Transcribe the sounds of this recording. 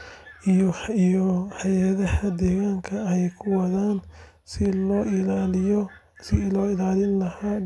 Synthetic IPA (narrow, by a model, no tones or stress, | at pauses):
ijijɔħɑjaðɐhɐd̪ɛːɣaːŋkʰɐɛɛjkʰʊwɐðaːn | sɪlɔːʔɪlalɪjɔ | sɪlɔːɪlaːlɪnlɐhaː